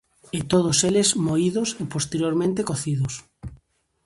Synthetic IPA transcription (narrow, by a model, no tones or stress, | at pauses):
et̪oð̞oselezmoiðosepost̪eɾjoɾmẽnt̪ekoθiðos